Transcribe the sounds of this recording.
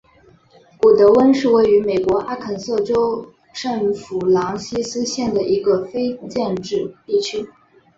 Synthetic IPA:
ku˨˩t̪ɤ˧˥wə˥nʂɻ̩˥˧we˥˩ɪy˧˥me˨˩ɪkwɔ˧˥ʔa˥˩kʰə˨˩nsɤ˥˩ʈ͡ʂo˥ʊ | ʈ͡ʂə˥˩ŋfu˨˩lɑ˧˥ŋɕi˥sɹ̩˥ɕjɛ˥˩nd̪ə˩i˧˥ɡə˧fe˥ɪt͡ɕjɛ˥˧nʈ͡ʂɻ̩˥˧t̪i˥˩t͡ɕʰy˥

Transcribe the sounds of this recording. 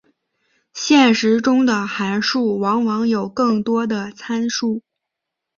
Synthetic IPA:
ɕjɛ˥˩nʂɻ̩˧˥ʈ͡ʂʊ˥ŋd̪ə˨xa˧˥nʂu˥˩wɑ˧˥ŋwɑ˧˥ŋjo˨˩ʊkɤ˥˩ŋt̪wɔ˥d̪ə˨t͡sʰa˥nʂu˥˩

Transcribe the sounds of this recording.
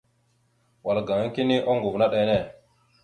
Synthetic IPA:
wa˨lɡa˨i˦ki˦ni˦ʔo˦ŋɡu˨vna˦ɗe˨ne˦˨

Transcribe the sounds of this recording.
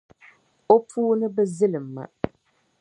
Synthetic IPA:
o˦puː˦nɨ˦bɛ˦zɨ˦lɨ˨mːa̰˨

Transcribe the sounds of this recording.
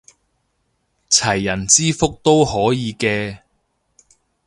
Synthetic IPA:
t͡sʰɐ˨˩jːɐ˨˩nt͡siː˥fʊ˥k̚t̪o˥whɔː˨˥jiː˨˧kɛː˧

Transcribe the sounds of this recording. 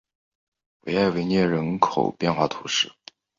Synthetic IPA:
wḛ˧˥ɪa˥˩ɪwe˧˥ɪnjɛ˥˩ɻə˧˥nkʰo˨˩ʊpjɛ˥˧nxwa˥˩t̪ʰu˧˥ʂɻ̩˥˩

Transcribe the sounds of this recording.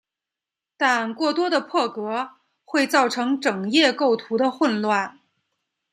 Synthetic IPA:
t̪a˥˧nkwɔ˥˩t̪wɔ˥d̪ə˨pʰɤ˥˩kɤ˧˥ | xwe˥˧ɪt͡sɑ˥˩ʊʈ͡ʂʰɤ˧˥ŋʈ͡ʂɤ˨˩ŋjɛ˥˧ko˥˩ʊt̪ʰu˧˥d̪ə˧xwə˥˧nlwa˥˩n

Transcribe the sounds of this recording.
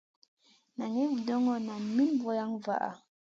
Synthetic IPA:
na˨ŋe˦vdɔ˦ŋɔ˨na˨mi˦nbɔ˨˦ja˦ŋva̰˨ʔa̰˨

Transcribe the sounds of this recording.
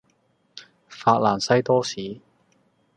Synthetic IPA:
faː˧t̚laː˨˩nsɐ˥jt̪ɔː˥siː˨˥

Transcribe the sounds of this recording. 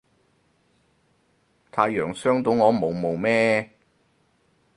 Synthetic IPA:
t̪ʰaː˨˧jːœː˨˩ŋsœː˥ŋt̪o˨˥wŋɔː˨˧mo˨wmo˨˩wmɛː˥

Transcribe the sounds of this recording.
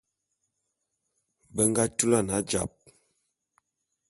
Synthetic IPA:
bə˦ŋɡa˦tu˦la˦˨na˨˦d͡ʒa̰˨p̚

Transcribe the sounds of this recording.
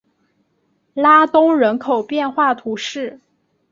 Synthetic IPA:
la˥t̪ʊ˥ŋɻə˧˥nkʰo˨˩ʊpjɛ˥˧nxwa˥˩t̪ʰu˧˥ʂɻ̩˥˩

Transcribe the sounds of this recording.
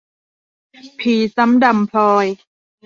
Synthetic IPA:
pʰiː˨˩sa˦˥mda˨mpʰɔː˧j

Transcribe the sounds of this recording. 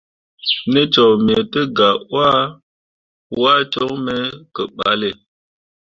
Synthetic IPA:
nə˦t͡ʃɔ˨m˨e˨tə˦ɡa˨wa˦ | wa˦t͡ʃɔ˦ŋmɛ˦kə˨ɓa̰˨˦le˨

